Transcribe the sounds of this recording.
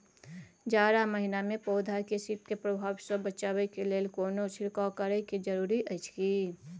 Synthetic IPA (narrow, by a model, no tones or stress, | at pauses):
d͡ʒaːɾaməɦɪnamẽpoːd̪ʱakesɪt̪kepɾəbʱaːwsobət͡ʃaːwekeleːlkoːnosʰɪɾkakəɾəkid͡ʒəɾuːɾiʔət͡ʃkiː